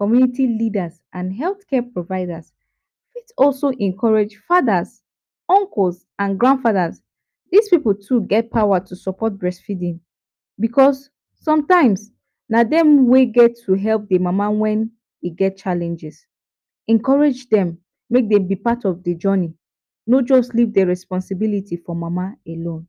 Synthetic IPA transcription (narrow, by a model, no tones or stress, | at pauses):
kɔmjunitilidasʔãnɦɛlθkɛpɹovaɪdas | fitsɔlsoʔɛ̃nkʰɔɹed͡ʒfadas | ɔ̃ŋkls | ãnɡɹãndfaðas | dispipəl̩tʰuɡɛt̚pʰaʊwatusɔpɔt̚bɹɛsfidĩn | bikʰɔsː | ɔ̃mtãɪ̃ms | nadɛ̃mweɡɛtʰːuɦɛlp̚demamawɛ̃n | iɡɛt̚t͡ʃalɛ̃nd͡ʒɛs | ɛ̃nkɔɹed͡ʒdɛ̃mː | ek̚dɛ̃bipatɔvded͡ʒɔni | nod͡ʒɔstlivdɛɹɛspɔ̃nsibilitifɔmamaelõn